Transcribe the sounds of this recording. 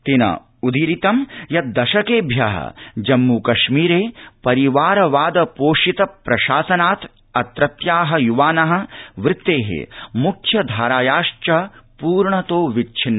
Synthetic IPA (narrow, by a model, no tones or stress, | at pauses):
t̪inɐ̰ | ud̪iɾit̪ɐmjɐt̪̚d̪ɐʃɐkeːbʱjɐɦɐ̰d͡ʒɐmːukɐʃmiːɾeːpɐɾiʋaːɾɐʋaːd̪ɐpoːʃit̪ɐpɾɐʃaːsɐnaːt̪ | ɐt̪ɾɐt̪jaːɦɐjuʋaːnɐɦɐ̆ʋɾɪt̪ːeːɦḛmukʰjɐd̪ʱaːɾaːjaːʂt͡ʃɐpuːɾɳɐt̪oːʋit͡ʃʰinːɐ